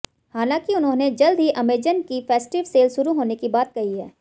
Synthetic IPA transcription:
haːlãːkiʊnɦõːned͡ʒɐld̪ʱɦiʔɐmeːd͡ʒənkifɛːsʈɪʋseːlʃʊɾuɦoːnekibaːt̪̚kɐɦiɦɛ̰ː

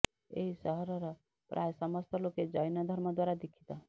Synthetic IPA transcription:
ḛɦisɔɦɔɾɔɾɔ | pɾʔajsɔmɔst̪ɔloked͡ʒɔjnɔd̪ʱəɾmɔd̪waːɾad̪ikʰi̥t̪a

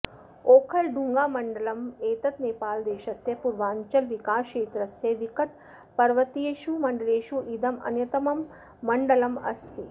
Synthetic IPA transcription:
oːkʰɐlɖuŋɡaːmɐɳɖɐlɐmeːt̪ɐt̪neːpaːld̪eːʃɐsjɐpuɾʋaːɲt͡ʃɐlʋikaːʃeːt̪ɾɐsjɐʋikɐʈ̚ | pɐɾʋɐt̪ieːʃumɐɳɖɐleːʃuʔid̪ɐmɐ̰njɐt̪ɐmɐmː | ɐɳɖɐlɐmɐ̰st̪i

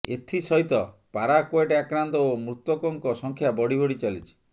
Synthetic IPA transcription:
ḛt̪ʰisɔɦit̪ɔpaɾakoeʈeakɾant̪ɔomɾut̪wɔkɔŋkɔsɔŋkʰjabɔɽibʱɔɽit͡ʃalit͡ʃʰi̥

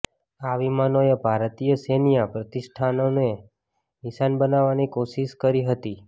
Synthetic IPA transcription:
aʋimanojəbʱaɾt̪ijəsenijapɾət̪isʈʰanone | nɪʃanbənaʋanikoʃiʃkəɾiɦət̪i

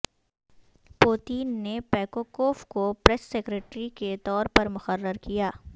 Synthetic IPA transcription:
poːt̪iːnːepɛːkoːkoːfkopɾɛsːeːkɾeːʈɾiket̪ɔːɾpɐɾmʊxərːəɾkijaː

